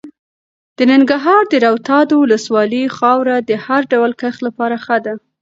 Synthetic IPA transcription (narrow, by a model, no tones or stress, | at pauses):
d̪̥ənɪŋɡaɦɑɾd̪əɾawt̪ɑd̪owʊləswɑləxɑwɾad̪əhaɾɖawəlkəxlapɑɾaxəd̪a